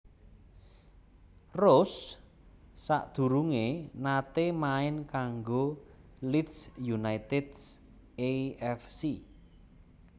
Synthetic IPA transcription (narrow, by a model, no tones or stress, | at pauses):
rʊsː | a̰ʔd̪̥ṳɾuŋenat̪emaɪnkaŋɡo | litsjunajt̪ɪds | eɛfsi